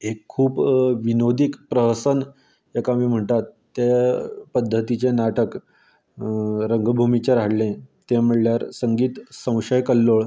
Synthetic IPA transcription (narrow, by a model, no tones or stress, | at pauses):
ekʰːuːpʋinod̪ikpɾəɦsən | jekamiːm̤əɳt̪at̪ːjepəd̪ʱːət̪it͡ɕenaʈək | ɾəŋɡbʱumit͡ɕẽɾaɽlẽt̪ẽm̤əɭljaɾsəŋɡiːt̪sə̃w̃ɕəjkəlːoɭ